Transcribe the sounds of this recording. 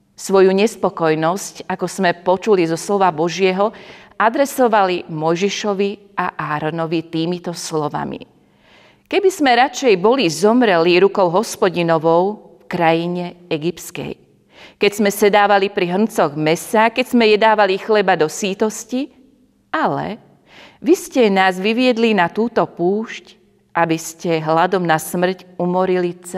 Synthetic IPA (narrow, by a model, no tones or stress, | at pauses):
sʋɔjuɲɛspɔkɔjnɔscakɔz̥mɛpɔt͡ʃulizɔslɔʋabɔʒɪɛɦɔad̪ɾɛsɔʋalimɔjʒɛʃɔʋi | aʔaːɾɔnɔʋit̪iːmit̪ɔslɔʋa̰mḭ | kɛbizmɛɾat͡ʃɛjbɔlizɔmɾɛliɾukɔʊɦɔspɔɟinɔʋɔʊ | fkɾajiɲɛɛɡipskɛ̰j | kɛcz̥mɛsɛd̪aːʋalipɾiɦr̩nt͡sɔɣmɛsakɛcz̥mɛjɛd̪aːʋalixlɛbad̪ɔsiːt̪ɔsci | alɛ̰ | ʋiscɛnaːzʋiʋɪɛd̪linat̪uːt̪ɔpuːʃc | ʔabiscɛɦlad̪ɔmnasmr̩cumɔɾilit͡s